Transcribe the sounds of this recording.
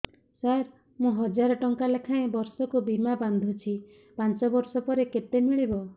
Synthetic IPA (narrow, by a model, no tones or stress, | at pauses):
saɾ | mũɦɔd͡ʒaɾɔʈɔŋkalekʰaẽbɔɾsɔkubimaband̪ʱut͡ʃʰi | pant͡ʃɔbɔɾsɔpɔɾekeʈemiɭibɔ